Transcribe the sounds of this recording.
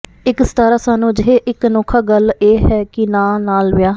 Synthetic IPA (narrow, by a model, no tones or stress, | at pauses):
ɪkst̪aːɾaːsaːnũːd͡ʒɪɦeːʔɪknoːkʰaːɡəleːɦɛːkɪnãːnaːlʋɪjaː